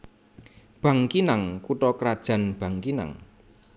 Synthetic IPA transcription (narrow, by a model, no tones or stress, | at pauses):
b̥a̤ŋkinaŋkuʈɔkɾad̥ʒ̥a̤nb̥a̤ŋkina̰ŋ